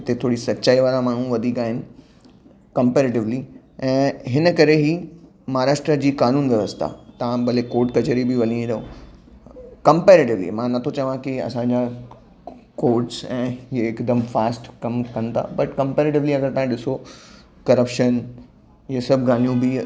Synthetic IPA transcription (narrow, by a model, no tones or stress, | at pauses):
ɪt̪et̪ʰoːɽisɐtːt͡ɕaːiʋaːɾamaːɳ̤ũʋɐd̪ʱiːkaːɦɪnɪ̆ | kɐ̃mpeːɾeːʈɪʋli | ɛ̃ːɦɪnəkɐɾeɦi | mɐɦaːɾaːʃʈɾəd͡ʑiːkaːnũːnʋjɐʋəst̪ʰa̰t̪ɐãbɐlekoːɾʈ̚kɐt͡ɕeɾibɪʋɐlĩẽd̪ɐõ | kɐ̃mpeːɾeːʈɪʋlḭmãnɐt̪ʰot͡ɕɐʋãkiɐ̰sãɲd͡ʑa | koːʈsɛ̃ːieɪkd̪əmfaːsʈkɐmkɐnɪ̆t̪ʰa̰ːbɐʈkɐ̃mpeːɾeːʈ̬ɪʋliɐɡəɾt̪ãːĩɗɪso | kɐɾəpʃən | jesɐbʱɡʱaːn̤ijũbɪ